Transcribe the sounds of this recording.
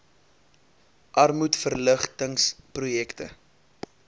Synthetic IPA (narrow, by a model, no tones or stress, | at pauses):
ʔɐrmutfərləχtəŋsprujɛktə̰